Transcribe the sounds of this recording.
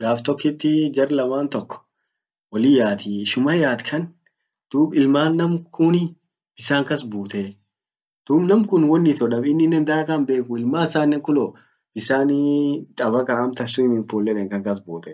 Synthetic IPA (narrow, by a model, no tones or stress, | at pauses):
ɡaːft̪ɔkːɪt̪ːɪd͡ʒɐɾlɐmaːnt̪ɔkːɔ̥ | wɔlɪjaːt̪ɪʃʊmɐjaːt̪kʰɐn | d̪̥uːbɪlmaːnːɐmkʊnɪ | b̥ɪsaːŋkɐsbuːt̪e | d̪̥uːbnɐmkʊnwɔnːɪt̪ɔᶑɐbɪnːɪnːɛnd̪aɐkɐnbe̞ːkʊɪlmaːsaːnːɛŋkʊlɔ | b̥ɪsaːnt̪ʼɐbɐkɐɐmt̪ɐsːʊɪmɪnfoːlːɛᶑ̪ɛŋkɐŋkɐsbuːt̪ɛ